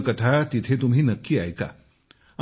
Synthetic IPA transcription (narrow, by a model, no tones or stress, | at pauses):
kət̪ʰat̪it̪ʰet̪um̤ɦinəkːiajka̰